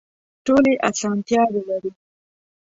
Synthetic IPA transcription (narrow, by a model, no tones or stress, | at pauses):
ʈoleʔasɑnt̪jɑwelaɾi